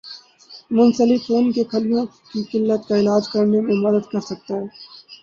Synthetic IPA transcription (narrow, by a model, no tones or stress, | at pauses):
mʊnsəlɪfoːnkekʰɐlijõ | kikɪlːət̪kaɪlaːd͡ʒkɐɾnemẽmɐd̪əd̪kɐɾsɐk̚t̪aɦɛː